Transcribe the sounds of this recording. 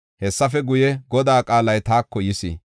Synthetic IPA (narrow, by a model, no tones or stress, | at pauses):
hɛsːɐfɛɡʊjɛɡɔd̪aːkʼaːlɐjt̪aːkːɔjɪsḭ